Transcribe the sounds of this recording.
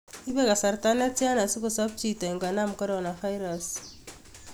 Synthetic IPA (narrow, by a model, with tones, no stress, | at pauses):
i˦βe˦ka˨sa˨ɾta˦ne˦tja˦na˨si˦ku˨sa˦b̚t͡ʃi˨te˨i˨ŋɡwa˨na˦mu˨ko˦ɾona˨fa˦jɾas